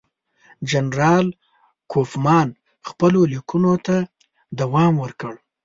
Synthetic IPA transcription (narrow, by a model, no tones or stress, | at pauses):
d͡ʒanɾɑl | kʰofmɑn | xpəlolikunot̪a | d̪awɑmwəɾkəɽ